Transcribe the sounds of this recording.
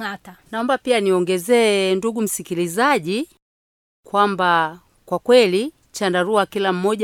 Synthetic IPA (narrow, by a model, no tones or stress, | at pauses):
atanaɔmbapianiɔŋɡɛzɛːnduɡum̩sikilizaʄi | kwamba | kwakwɛli | t͡ʃandaɾuakilam̩mɔʄa